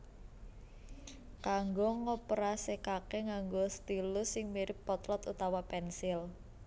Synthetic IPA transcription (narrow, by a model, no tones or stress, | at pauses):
kaŋɡoŋɔpɾasekakeŋaŋɡost̪ilʊsɪŋmiɾɪpːɔt̪lɔt̪ut̪awapɛnsɪl